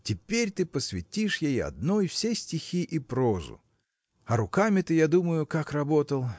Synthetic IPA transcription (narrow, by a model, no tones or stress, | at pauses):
tʲɪpʲeɾʲt̪ɨpəsvʲɪ̰tʲiʂjejɐ̰d̪̚nojfsʲesʲtʲɪxʲiʔɪpɾozʊ̰ | ɐɾʊkamʲɪt̪ɨjad̪uməjʊkakrɐbot̪əlˠ